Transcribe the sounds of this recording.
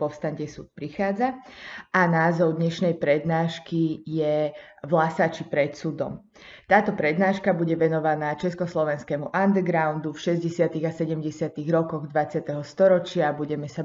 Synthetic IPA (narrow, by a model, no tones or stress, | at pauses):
pɔfst̪aɲcɛsṵːt̪̚pɾixaːd͡zaʔanaːzɔʊd̪ɲɛʃnɛjpɾɛd̪naːʃkijɛʋlasat͡ʃipɾɛt̪suːd̪ɔ̰m | t̪aːt̪ɔpɾɛd̪naːʃkabuɟɛʋɛnɔʋanaːt͡ʃɛskɔslɔʋɛnskɛːmuʔand̪ɛɡɾaʊnd̪ufʃɛzɟɛsɪat̪iɣasɛɟɛmɟɛsɪat̪iɣɾɔkɔɣd̪ʋat͡sɪat̪ɛɦɔst̪ɔɾɔt͡ʃɪabuɟɛmɛsa